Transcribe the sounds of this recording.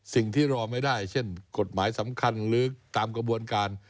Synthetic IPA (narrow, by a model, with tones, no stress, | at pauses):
si˨˩ŋt̪ʰiː˥˩ɾɔː˧ma˥˩jdaː˥˩jt͡ɕʰe˥˩nko˨˩t̪̚maː˩˦jsa˩˦mkʰa˧nlɯː˦˥k̚t̪aː˧mkɾa˧bu˧ənkaː˧n